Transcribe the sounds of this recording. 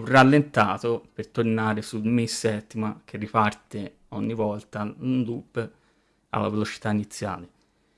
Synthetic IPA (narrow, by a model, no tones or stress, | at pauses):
uralːent̪aːt̪opert̪ornaːɾesulmisːɛt̪ːimak̟ʰerːipart̪e | ɔɲːivɔlt̪aund̪ub | a̰lːa̰velot͡ʃi̥t̪ainit̪sːja̰ːle